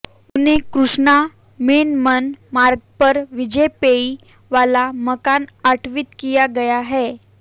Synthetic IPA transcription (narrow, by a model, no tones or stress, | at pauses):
unekɾuʂɳa | menmənmaɾɡ̚pəɾʋid͡ʑəpei | ʋalaməkanaʈʰʋit̪kijaɡəjaɦɛ